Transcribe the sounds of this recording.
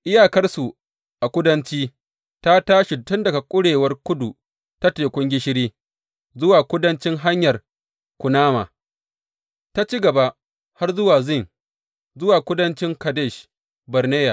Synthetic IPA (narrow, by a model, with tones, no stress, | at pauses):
ʔɪ˦jaː˨kɐ˦rsu˨ | ʔa˨kʷʊ˦dɐ˦nt͡ʃiː˦ | ta˦taː˦ʃi˨tʊ˦ndɐ˨ɡa˨kʷʼʊ˦ɽeː˨wɐ˦rkʷʊ˦du˨ | ta˦teː˨kʷʊ˦ŋɡʲɪ˦ʃɪ˦ɽiː˦ | zʊ˦waː˨kʷʊ˦dɐ˦nt͡ʃɪ˦ŋɦa˦ɲjɐ˨r | kʷʊ˨naː˦ma̰ː˨ | ta˦t͡ʃi˦ɡɐ˨ba˦ʔ | ha˦rzʊ˦waː˨zɪ˦˨ŋ | zʊ˦waː˨kʷʊ˦dɐ˦nt͡ʃɪ˦ŋkɐ˨de˦˨ʃ | bɐ˨rneː˦ja̰˨